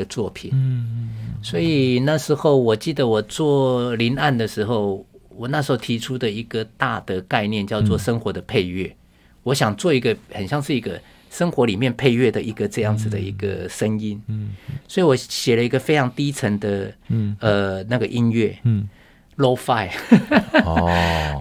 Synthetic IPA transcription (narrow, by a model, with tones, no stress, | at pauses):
ə˧t͡swɔ˥˩pʰḭ˨˩n | swɔ˧˥i˨˩na˥˩ʂɻ̩˧˥xo˥˩ʊwɔ˨˩t͡ɕi˥˩d̪ə˩wɔ˨˩t͡swɔ˥˩li˧˥na˥˩nd̪ə˩ʂɻ̩˧˥xo˥˩ʊwɔ˨˩na˥˩ʂ̬ɻxo˥˩ʊt̪ʰi˧˥ʈ͡ʂʰu˥d̪ə˨i˧˥ɡ̥ə˨t̪a˥˩d̪ə˩ka˥˧ɪnjɛ˥˧nt͡ɕjɑ˥˧ʊt͡swɔ˥˩ʂə˥ŋxwɔ˧˦d̪ə˨pʰe˥˧ɪɥɛ˥˩ | wɔ˧˥ɕjɑ˨˩ŋt͡swɔ˥˩i˧˥ɡə˧xə˨˩nɕjɑ˥˧ŋʂɻ̩˥˩i˧˥ɡə̰˧ | ʂə˥ŋxwɔ˧˥li˨˩mjɛ˥˧npʰe˥˧ɪɥɛ˥˩d̪ə˨i˧˥ɡə˨ʈ͡ʂɤ˥˧jɑ˥˩ŋd͡zɹ̩˩d̪ə˩i˧˥ɡə˧ʂə˥ŋi˦˥nswɔ˧˥i˨˩wɔ˧˥ɕjɛ˨˩lə˦i˧˥ɡə˧fe˥ɪʈ͡ʂʰɑ˧˥ŋt̪i˥ʈ͡ʂʰə˧˥ŋd̪ə˧ə˨˩na˥˩ɡə˩ʔi˦˥nɥɛ˥˩ | lo˥ʊfa˥˩ɪ